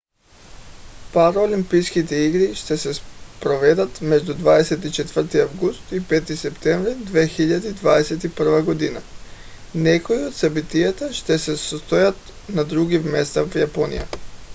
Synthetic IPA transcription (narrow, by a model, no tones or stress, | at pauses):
paɾoːlimpijskit̪ɛiɡɾiʃt̪ɛsɛspɾovɛd̪at̪mɛʒd̪ud̪vad̪ɛsɛt̪it͡ʃɛt̪vər̩t̪iavɡust̪ipɛt̪isɛpt̪ɛɱvɾid̪vexiʎad̪id̪vad̪ɛsɛt̪ipr̩vaɡod̪ina | nɛkoiot̪sabit̪ijat̪aʃt̪ɛsɛsost̪ojat̪ | nad̪ɾuɡivmɛst̪avjaponḭja̰